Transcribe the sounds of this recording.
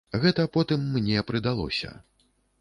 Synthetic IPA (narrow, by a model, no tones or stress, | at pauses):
ɣɛt̪ɐpɔt̪ɨmːnʲɛpɾɨd̪alˠɔ̰sʲɐ̰